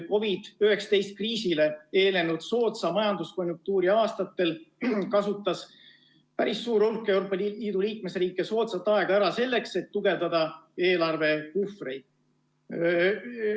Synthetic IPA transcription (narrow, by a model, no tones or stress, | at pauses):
ko̞vid̪̥yɦeksɑ̥t̪e̞jst̪̚kriːsile̞e̞ːle̞nud̪̥so̞ːt̪sɑmɑjɑnd̪usko̞nʲjuŋk̚t̪uːɾiɑːst̪ɑt̪ːˑe̞lkɑsut̪ːˑɑs | pæɾisːuːɾolkːˑe̞wɾoːpːˑɑiːd̪uliːk̚me̞sriːkːˑe̞so̞ːt̪sɑt̪ːˑɑe̞ɡ̥ɑæɾɑse̞lːe̞kse̞t̪ːuɡ̥e̞vd̪̥ɑd̪̥ɑe̞ːlɑrve̞kufrejd̪̥̚